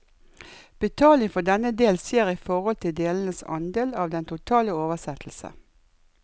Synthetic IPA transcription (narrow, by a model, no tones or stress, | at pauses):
b̥ət̪ʰɑːlɪŋfɔd̪ɛnəd̪eːlseːʁiːfɔʁɔlt̪ʰɪld̪eːln̩əsɑ̰nd̪eːlɑːʋd̪ɛnt̪ʰʊt̪ʰɑːləoːʋəsɛt̪ʰl̩sə̰